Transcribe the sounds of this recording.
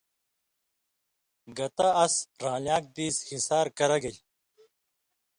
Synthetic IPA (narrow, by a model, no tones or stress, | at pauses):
ɡɐt̪aɐsɾaːljaːk̚d̪iːshisaːɾkɐɾɐɡɐj